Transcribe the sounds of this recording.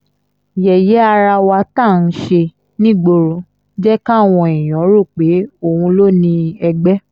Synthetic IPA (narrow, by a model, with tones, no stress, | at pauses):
jɛ˨jɛ˨˦a˧ɾa˧wa˧ta˦˨n̩˦ʃe˧ | nĩ˦ɡ͡bo˧ɾo˨˧ | d͡ʒɛ˦ka˦˨w̃ɔ̃˧e˨j̃ɔ̃˨˦ɾo˦˨k͡pe˨˦o˦˨hũ˧lo˦nĩ˧ɛ˧ɡ͡bɛ˦